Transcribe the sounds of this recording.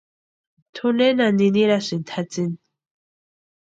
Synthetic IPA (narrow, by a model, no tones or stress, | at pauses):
t̪ʰunenaniniɾasint̪ʰat͡sin